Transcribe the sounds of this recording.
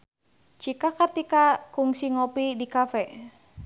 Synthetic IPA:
t͡ʃikakərt̪ikakuŋsiŋopidikafɛ

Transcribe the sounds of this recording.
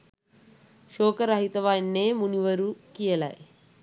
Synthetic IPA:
ʃɔːkɐɾɐɦit̪ɐʋaːjnːeːmuniʋɐɾukijɐla̰ːj

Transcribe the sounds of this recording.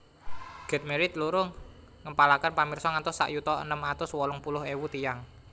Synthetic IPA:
ɡ̥ɛ̤t̪̚meɾɪt̪̚luɾʊŋː | əmpalakənpamirsɔŋant̪ʊsːa̰ʔjut̪ɔə̰nəmat̪ʊswɔlʊŋpulʊɦewut̪ijaŋ

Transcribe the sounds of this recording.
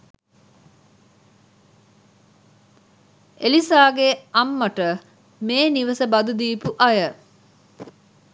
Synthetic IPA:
elisaːɡeɐmːəʈə | meːniʋəsəbɐd̪ud̪iːpuʔɐjə

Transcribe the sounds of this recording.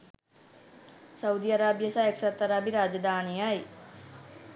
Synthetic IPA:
sɐwd̪iaɾaːbjəsaeksɐt̪ːəɾaːbiɾaːd͡ʒɐd̪aːnijaj

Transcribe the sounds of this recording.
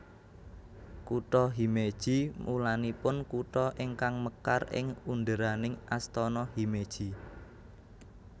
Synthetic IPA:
kuʈ̪ɔɦimed̥ʒ̥i̤mʔulanipʊnkuʈ̪ɔʔɪŋkaŋməka̰rɪ̰ŋund̪əɾanɪŋʔast̪ɔnɔhimed̥ʒ̥i̤

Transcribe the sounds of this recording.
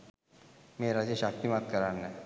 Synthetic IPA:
meɾad͡ʑeɕak̚t̪imat̪̚kəɾaɾnːe

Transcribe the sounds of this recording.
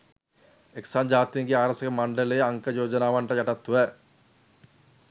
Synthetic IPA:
eksaːɲd͡ʒaːt̪ijəŋɡeaːɾəsəkəmaɳɖələjːaŋkəjoːd͡ʒənaːʋaɳʈəjaʈat̪ːuʋɛ

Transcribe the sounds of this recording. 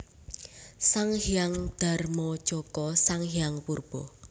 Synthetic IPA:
saŋhiaŋd̪̥a̤rmɔ̥t͡ʃɔkɔsaŋɦijaŋpurb̥ɔ

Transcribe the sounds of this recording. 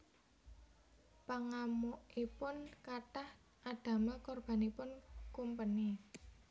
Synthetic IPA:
paŋamuʔipʊnkat̪ah | ad̪̥ä̤makɔrb̥a̤nipʊnkumpəni

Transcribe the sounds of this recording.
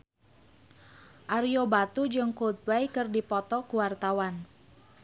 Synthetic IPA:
ʔaɾiobat̪ud͡ʒɨŋkult̪̚blɛjkɨrdipɔt̪ɔkuwart̪awan

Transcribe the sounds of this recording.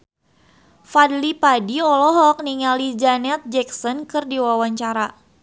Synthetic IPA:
fadlipadiɔlɔɦɔk̚niŋalid͡ʒanɛt̪̚d͡ʒɛksɔnkɨrdiwawaɲt͡ʃaɾa

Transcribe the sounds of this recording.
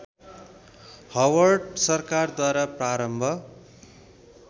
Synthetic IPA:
hʌwʌrɖsʌrkard̪waɾapraɾʌmbʱʌ

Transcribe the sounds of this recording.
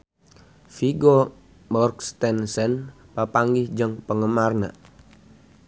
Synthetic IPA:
fiɡɔ | mɔrkst̪ɛnsɛnpapaŋɡɪhd͡ʒəŋpəŋəmarna̰

